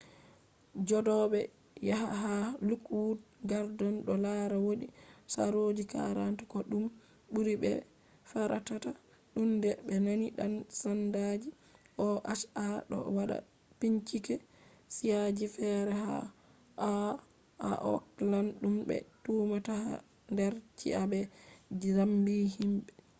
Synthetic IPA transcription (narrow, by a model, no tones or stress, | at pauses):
d͡ʒɔdɔɓɛ | jaha̰ɦalukwudɡaɾdɔnɗɔlaɾawoɗisa̰ɾod͡ʒika̰ɾantakɔɗum | ɓuɾibɛ̰ | faɾa̰tata | ɗumdɛɓɛnaniɗansandad͡ʒi | ʔɔʔaʃaɗɔ̰waɗa̰ | piɲt͡ʃikɛ | sijad͡ʒifɛɾɛha̰ | ʔa | a̰ʔɔ̰klanɗumbɛ̰tuːmataha̰ | ndɛɾt͡ʃḭʔabɛ | ɾambiɦimɓɛ